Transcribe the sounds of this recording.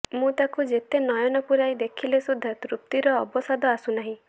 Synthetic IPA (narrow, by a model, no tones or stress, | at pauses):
mũt̪akud͡ʒet̪enɔjɔnɔpuɾajd̪ekʰilesud̪ʱːɔt̪ɾup̚t̪iɾɔːbɔsad̪ɔasunaɦĩ